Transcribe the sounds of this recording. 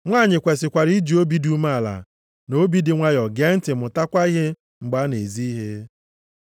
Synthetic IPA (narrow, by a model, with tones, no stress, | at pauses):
ŋʷaː˦˨ɲɪ˨kʷe˨sɪ˨kʷa˨ɾi˦d͡ʒi˨o˦bi˦du˦ma˦˨la̰˨ | no˦bi˦dɪ˨ŋʷa˦jɔ˨ɡe˦n̩˦tɪ˨mʊ˨ta˦kʷa˦i˦ɦe˦ | ŋ͡m̩˨ɡ͡ba˦ne˨zi˦i˦ɦe˦